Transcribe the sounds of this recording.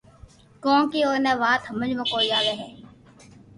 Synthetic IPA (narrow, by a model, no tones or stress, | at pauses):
kõːkiːoːɾnɛ̃ːʋaːt̪ɦəməd͡ʒmə̃koːijaːʋeːɦɛː